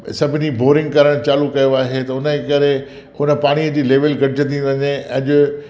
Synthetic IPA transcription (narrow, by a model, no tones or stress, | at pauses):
sɐbʱɪniboːɾɪ̃ŋɡkɐɾəɽ̃t͡ɕaːlukɐjoaːɦet̪ɐʊnəekɐɾe | hʊnə̆paːɽ̃iəd͡ʑiːleːʋəlɡʱɐɖɪd͡ʑʱət̪ʰĩʋɐɲeɐʄʊ